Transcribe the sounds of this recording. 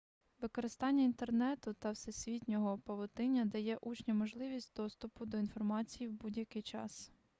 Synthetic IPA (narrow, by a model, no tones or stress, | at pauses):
ʋɪkɔɾɪst̪ɑnʲːɐint̪ernɛt̪ʊt̪ɐwsɛsʲʋʲitʲnʲɔɦɔpɐʋɔt̪ɪnʲːɐd̪ɐjɛʔut͡ʃnʲɐmɔʒlˠɪʋʲisʲtʲd̪ɔst̪ʊpʊd̪ɔin̪fɔrmɑt͡sʲijiwbudʲjɐkɪjt͡ʃɑ̰s